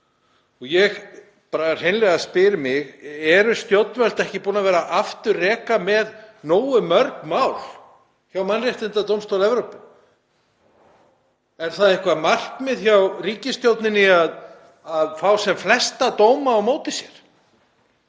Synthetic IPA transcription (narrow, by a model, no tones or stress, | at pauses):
ɔɣjɛɣ | paːɾar̥ejnlɛɣaspɪːɾɪmɪɣɛɾʏst̪jowt̪nvɛl̥t̪ɛhcɪpuːnavɛːɾaʔaft̪ʏrrɛːkamɛðnoːwʏmœɾkmawl | çawmanrɪht̪ɪnt̪at̪owmst̪owlɛvɾowpɪ | ɛɾ̥θaðɪhkvamar̥kmɪðçawriːcɪst̪jowt̪nɪnːɪað | aðfawsɛmflɛst̪at̪oːwmaːwmoːwt̪ɪsjɛɾ̥